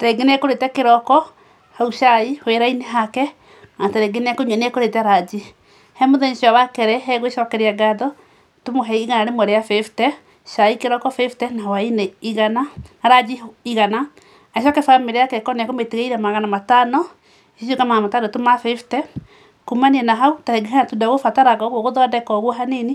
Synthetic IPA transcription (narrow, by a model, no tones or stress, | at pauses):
teɡeneɛkoɾetɛkeɾɔkɔ | hauʃaihweɾaineɦakɛ | atɛɾɛɡeneɛkoɲɛneɛkoɾetɛaɾad͡ʒi | hɛmoðɛɲʃiawakɛɾɛɦɛɣweʃɔkɛɾeaɡaðɔ | tomoɦɛiiɣanaɾemwɛɾeafeftɛ | ʃaikeɾɔkɔfeftɛnawaineiɣanaaɾad͡ʒiiɣanaː | ʃɔkɛfameɾeakɛkɔneakometeɣeiɾamaɣanamatanɔ | iʃokamaamatanɔtomafeftɛ | kumaniɛnaɦautaɾɛɡeɦanatudaɣofataɾaɣɔɣwoɣoðɔdɛkɔɣwɔɦaneni